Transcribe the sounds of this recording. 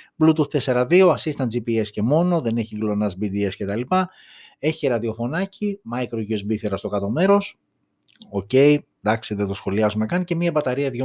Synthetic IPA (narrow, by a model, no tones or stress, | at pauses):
blut̪uθt̪e̞se̞ɾɐðio̞ɐsist̪ɐnd͡zipie̞sce̞mo̞no̞ðe̞ne̞çiɡlo̞nɐzbid̪ie̞scet̪ɐlipɐ | e̞çiɾɐðio̞fo̞nɐcimɐjkɾoʝiozbiθeɾɐst̪o̞kɐt̪o̞me̞ɾo̞s | o̞ce̞i | d̪ɐksiðet̪o̞sxo̞liɐzume̞kɐncemiɐbɐt̪ɐɾiɐðʝo